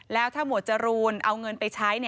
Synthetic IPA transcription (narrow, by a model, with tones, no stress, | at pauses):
lɛː˦˥wt̪ʰaː˥˩mu˨˩˦t̪t͡ɕa˨˩ɾuː˧nʔa˧wŋɤ˧npa˧jt͡ɕʰa˦˥jni˥˩